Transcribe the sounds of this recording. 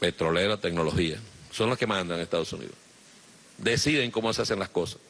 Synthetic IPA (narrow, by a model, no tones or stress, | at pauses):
pe̞t̪ɾo̞leɾot̪ek̚no̞lo̞hiasonloske̞mãnd̪aŋest̪aðosunḭðos | d̪esiðeŋko̞mosease̞ŋlasko̞sḁs